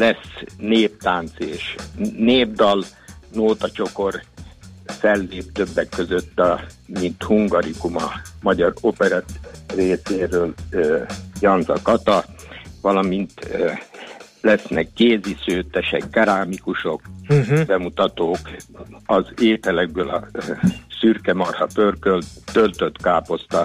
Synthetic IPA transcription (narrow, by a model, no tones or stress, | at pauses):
lɛsneːp̚t̪aːnt̪seːʃneːbd̪ɒlnoːt̪ɒt͡ʃo̞ko̞r | fɛlːeːp̚t̪ø̞bːɛkːø̞zø̞t̪ːɒmint̪huŋɡɒɾikumɒ̰mɒɟɒropɛɾɑt̪reːseːɾøːl | jɒnzɒ̰kɒt̪ɒʋɒlɒmint̪ | lɛsnɛkːeːzisøːt̪ɛʃɛ̰kːɑɾaːmikuʃo̞kbɛmut̪ɒt̪oːkɒzeːt̪ɛlɛɡ̚bøːlɒ̰ | syrkɛmɒrhɒpørkølt̪ølt̪ø̞t̪kaːpo̞st̪ɒ